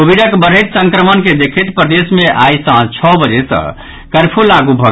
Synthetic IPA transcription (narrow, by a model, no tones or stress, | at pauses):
obiɖəkbəɾ̤ɦet̪səŋkɾəmənked̪ekʰet̪pɾəd̪esmeʔajsəɦnt͡ʃʰɔbəd͡ʒesə̰ | kəɾpʰulaɡubʱə